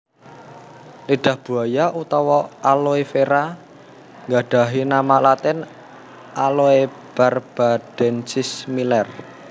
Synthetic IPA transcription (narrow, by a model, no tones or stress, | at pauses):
liɖ̥a̤hb̥ṳajaʔut̪ɔwɔaloefeɾa | ŋɡaɖ̥a̤ɦinamaʔlat̪ɛn | ʔaloe | b̥arb̥a̤d̥ɛ̤nsismilɛr